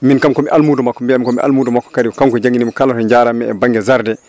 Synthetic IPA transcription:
minkamkɔmiʔalmuːdɔmakːɔmbiamikɔmḭʔa̰lmuːdɔmakːɔ̥kaɾikamkɔd͡ʒaŋɡinimɔkalatɔɲd͡ʒaːɾamɛɛ̰baŋɡɛzaɾdɛ

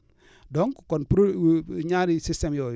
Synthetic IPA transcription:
dɔŋkkɔnp | ɲaɾisistɛmjɔ

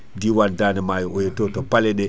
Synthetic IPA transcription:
diwandanɛmajɔʔɔjɛtɔtɔpalɛɗɛ

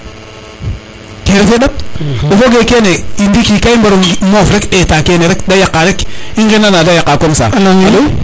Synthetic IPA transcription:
keɾefeɗab̚ɗofoɡekeneindikikaimbaɾomofɾekɗetakeneɾekdajakːaɾek | iŋɡinanadajakːakomsa̰

